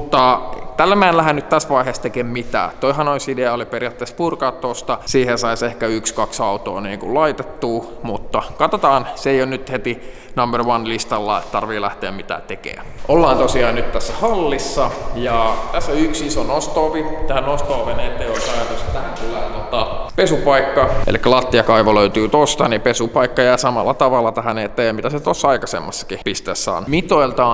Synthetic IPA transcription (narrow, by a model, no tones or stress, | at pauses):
mut̪ːɑt̪ælːæmæenlːæhænnyt̪t̪æsʋɑiɦest̪ekeːmmit̪æ̰ːt̪oiɦɑnoisideɑoliperiɑt̪ːespurkɑːt̪ːost̪ɑsiːhesɑisehkæykskɑksɑut̪o̰ːniːŋkulɑit̪et̪ːuː | mut̪ːɑkɑt̪ot̪ɑːnseijonnyt̪het̪i | nɑmberʋɑnlist̪ɑlːɑ̰ːet̪t̪ɑrʋiːlæ̰ht̪eæmmit̪æ̰ːt̪ekḛːæ̰ | ʔolːɑːnt̪osiɑːnnyt̪t̪æsːæhɑlːisːɑjɑt̪æsːoyksisonost̪oːʋit̪æhænost̪oːʋenet̪ːeiolisɑjɑt̪ost̪ɑt̪æhæŋt̪ulːæːt̪ot̪ɑpesupɑikːɑḛlikːælɑt̪ːiɑkɑiʋoløyt̪yːt̪ost̪ɑnipesupɑikːɑjæːsɑmɑlːɑt̪ɑʋɑlːɑt̪æɦænet̪ːæjɑmit̪æset̪osːɑɑikɑsḛmːɑsːɑ̥kipist̪esːɑ̰ːnmit̪oilt̪ɑː